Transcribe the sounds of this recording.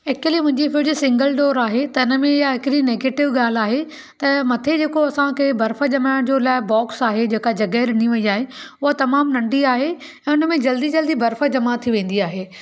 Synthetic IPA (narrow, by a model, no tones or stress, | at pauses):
ekəlimʊ̃ɦɪ̃ɲd͡ʑifɪd͡ʑsɪ̃ŋɡəlɖoːɾaːɦet̪ɐɪnə̆mẽɪjaɦɪkɪɾineːɡeːʈɪʋɡaːl̤aːɦe | t̪ɐmɐt̪ʰed͡ʑeːkoɐsãkʰebʱɐɾfə̆d͡ʑɐmãd͡ʑoːlaːɪbɔːksaːɦed͡ʑeːkad͡ʑɐɡəɾɪniʋɐiaːɦeʊɦat̪ɐmaːmnɐ̃ɳɖiaːɦe | ɛ̃ːʊnəmẽd͡ʑɐld̪id͡ʑɐld̪ibʱɐɾfə̆d͡ʑɐmat̪ʰiʋẽːn̆d̪iaːɦeː